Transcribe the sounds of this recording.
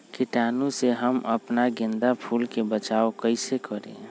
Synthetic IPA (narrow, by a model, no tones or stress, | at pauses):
kɪʈaːnũseɦəmə̰pnaɡɪ̃nd̪apʰuːlkebət͡ʃaːokəɪsekəɾḛ̃